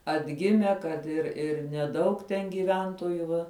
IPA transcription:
ɐdʲˈɡʲɪmʲɛ kɐt ɪr ɪr nʲɛˈdɐʊk tʲɛn ɡʲiːˈʋʲɛntoːjʊ ˈʋɐ

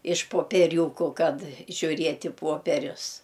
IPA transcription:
ɪʃ poːpʲiɛˈrʲuːkuː ˈkɐt ʒʲuːˈrʲiɛtʲ ɪ ˈpuɔpʲɛrʲʊs

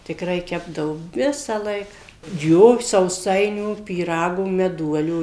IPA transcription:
tʲɪkˈrɐɪ ˈkʲæːbdɐʋoː ˈʋʲɪsɑːlˠɐɪk ˈjoː sɐʊˈsɐɪnʲuː pʲiːˈrɑːɡuː mʲɛˈduɔlʲuː

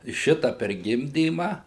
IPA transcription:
ˈʃʲɪtɐ pʲɛr ˈɡʲɪmʲdʲiːmɐ

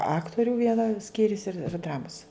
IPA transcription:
ˈɑːktoːrʲuː ˈʋʲiɛnɐ ˈsʲkʲiːrʲʊs ɪr ˈdrɑːmʊs

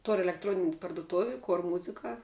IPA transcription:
toːrʲ ɛlʲɛkˈtroːnʲɪnʲɪ pɐrdʊˈtoːʋʲɪ ˈkoːr ˈmʊzʲɪkɐ

